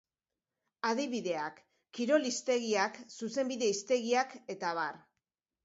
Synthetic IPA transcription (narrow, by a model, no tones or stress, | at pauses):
að̞iβiðe̞akː | iɾo̞list̪e̞ɣ̞iaksuse̞mbiðe̞ist̪e̞ɣiake̞t̪aβ̞ar